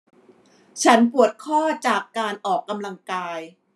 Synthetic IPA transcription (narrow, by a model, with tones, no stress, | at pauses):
t͡ɕʰa˦˥np̬u˨˩ət̪̚kʰɔː˥˩t͡ɕaː˨˩kːaː˧nʔɔː˨˩kːa˧mla˧ŋkaː˧j